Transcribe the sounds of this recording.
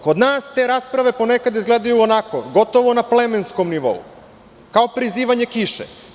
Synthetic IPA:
ko̞d̪naːst̪e̞ɾaːspɾaʋe̞po̞nekad̪izɡleːd̪ajuonako̞ɡo̞t̪o̞ʋo̞naplemensko̞mniʋo̞̰ṵ | kao̞pɾiziːʋaɲe̞kiʃḛ

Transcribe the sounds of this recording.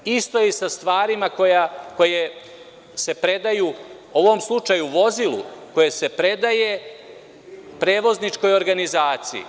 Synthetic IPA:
ist̪o̞isast̪ʋaːɾimako̞jako̞je | se̞pɾe̞d̪aju | o̞ʋo̞mslˠut͡ʂajuʋo̞zilṵko̞jese̞pɾe̞d̪aje̞ | pɾe̞ːʋo̞znit͡ʃko̞jo̞ɾɡanizaːt̪siḭ

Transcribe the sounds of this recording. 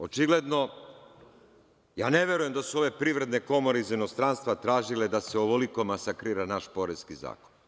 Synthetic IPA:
ot͡ʃiɡle̞d̪no̞ | jaːneʋje̞ɾuje̞md̪asuo̞ʋe̞pɾiʋɾe̞d̪ne̞ko̞mo̞ɾeizino̞st̪ɾanst̪ʋat̪ɾaːʒile̞d̪aseoʋoliko̞masakɾiːɾanaʃpo̞ɾe̞skiza̰ːkon

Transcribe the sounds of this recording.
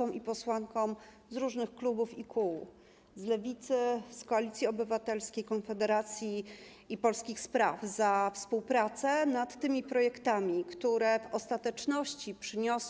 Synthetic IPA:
ɔmʔipɔswaŋkɔm | zɾuʐnɘxklubufikʰuw | zlɛvʲit̪sɘskɔalʲit̪sʲjiɔbɘvat̪ɛlskʲejkɔnfɛd̪ɛɾat̪sʲjiː | pɔlskʲixspɾavzafspuwpɾat̪sɛnat̪ːɘmʲipɾɔjɛkt̪amʲikt̪uɾɛvɔst̪at̪ɛt͡ʂnɔɕt͡ɕipʂɘɲɔ

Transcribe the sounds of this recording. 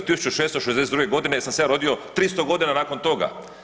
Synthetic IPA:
t̪isut͡ʃuʃeːst̪oʃezd̪eseɾuɡeɡo̞d̪inesamsejaːɾo̞d̪ijo̞t̪ɾiːst̪o̞ɡo̞d̪inanaːko̞nt̪o̞ɡa̰

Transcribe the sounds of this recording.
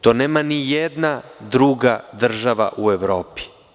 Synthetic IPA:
t̪oːneːmanijed̪nad̪ɾuɡad̪r̩ʒaʋa̰ʔueʋɾo̞ːpi̥

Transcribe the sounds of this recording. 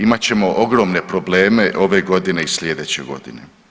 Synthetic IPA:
imat͡ɕe̞mo̞ʔoɡɾo̞ːmne̞pɾo̞ble̞ːme̞ʔo̞ʋe̞ɡo̞d̪ine̞islʲe̞d̪et͡ɕḛɡo̞̰d̪inḛ

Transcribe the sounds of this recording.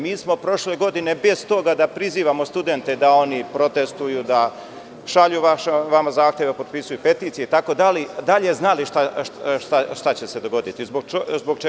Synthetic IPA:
miːsmo̞pɾo̞ʃle̞ɡo̞d̪ine̞be̞z̥t̪o̞ɡad̪apɾiziːʋamo̞st̪ud̪e̞nt̪e̞d̪ao̞nipɾo̞t̪e̞st̪ujud̪a | ʃaʎuʋaʃeʋamazaːxt̪ʲjeʋpo̞d̪̚pisujupe̞t̪iːt̪sijet̪ako̞d̪alid̪aʎe̞znaliʃt̪aʃt̪aʃt̪at͡ɕe̞se̞d̪o̞ɡo̞d̪it̪izboɡzboɡt͡ʃ

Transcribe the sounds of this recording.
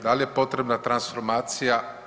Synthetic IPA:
d̪alije̞po̞t̪ɾebnat̪ɾansfoɾmaːt̪sija

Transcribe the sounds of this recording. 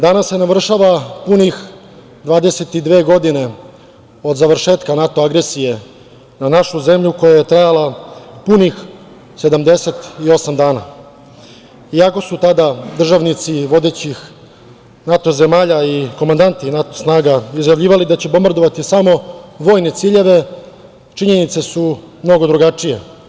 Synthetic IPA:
d̪anasːe̞naʋr̩ʃaʋapunix | d̪ʋaːd̪e̞se̞t̪id̪ʋe̞ːɡo̞d̪ine̞ | o̞d̪zaʋr̩ʃe̞ːt̪kanat̪o̞aɡɾesije̞ | nanaʃuze̞mʎuko̞jaje̞t̪ɾajalapunix | se̞d̪amd̪e̞se̞t̪io̞samd̪aːna̰ | iako̞sut̪ad̪ad̪r̩ʒaʋnit̪siʋo̞d̪e̞ːt͡ɕix | nat̪oze̞maːʎaiko̞mand̪ant̪inat̪osnaːɡaizjaʋʎʲiːʋalid̪at͡ɕe̞bo̞mbaɾd̪o̞ʋat̪isamo̞ʋo̞ːjne̞t̪siːʎe̞ʋe̞ | t͡ʃiɲe̞nit̪se̞su | mno̞ɡo̞d̪ɾuɡat͡ʂije̞̰

